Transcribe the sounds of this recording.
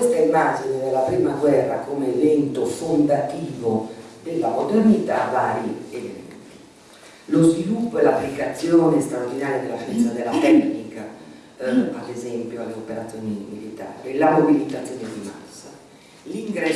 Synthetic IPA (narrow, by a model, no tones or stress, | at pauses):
kwest̪aimad͡ʒinid̪elːapɾiːmaɡwɛrːakomeːvɛnt̪ofond̪at̪iːvod̪elːamod̪ernit̪avaːɾievɛ̰ḛnt̪i | lozvilupːoɛlapːlikat̪sːjɔːnest̪ɾaoɾd̪inaːɾjad̪elːaʃɛnt̪sad̪elat̪ɛknika | ad̪ezɛmpjoalːeopeɾat̪sːjoːnimilit̪a̰ːɾilamobilit̪at̪sːjɔːned̪ima̰sːa̰ | liŋɡɾɛ